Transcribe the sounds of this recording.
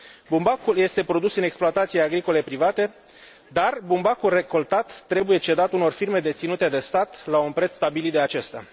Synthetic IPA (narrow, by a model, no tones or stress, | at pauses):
bumbakulje̞st̪e̞pɾo̞d̪usɨne̞ksploat̪at̪sijeaɡɾiko̞le̞pɾivat̪e̞ | d̪arbumbakulre̞ko̞lt̪at̪ːɾe̞buje̞t͡ʃe̞d̪at̪uno̞rfirme̞d̪e̞t̪sinut̪e̞d̪e̞st̪at̪launpɾe̞t̪st̪abilid̪eat͡ʃe̞st̪ea̰